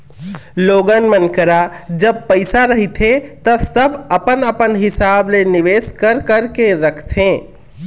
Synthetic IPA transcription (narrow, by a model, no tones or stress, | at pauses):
loːɡənmənkəɾad͡ʒəb̚pəɪsaɾəɦit̪ʰɦet̪ɔsəbəpənəpənɦɪsaːblenɪʋeːskəɾkəɾkeɾəkʰt̪ʰẽ